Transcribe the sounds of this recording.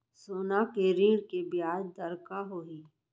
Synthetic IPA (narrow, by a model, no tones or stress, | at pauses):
soːnakeɾĩːɾkebijaːd͡ʒd̪ɐɾkaɦoːɦiː